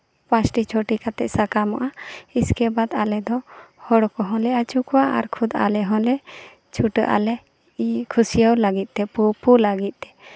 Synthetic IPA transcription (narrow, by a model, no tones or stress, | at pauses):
pãt͡ʃʈit͡ʃʰoʈikat̪ɛ̰ʔ̚sakamɔ̰ʔaiskɛbad̪alɛd̪ɔhɔɽɔkɔɦɔ̃lɛat͡ʃukuwaʔa̰ɾkʰud̪a̰lɛɦɔ̃lɛ | t͡ʃʰuʈəʔa̰lɛ | kʰusijəwlaɡit̪̚t̪ɛpupulaɡit̪̚t̪ɛ̥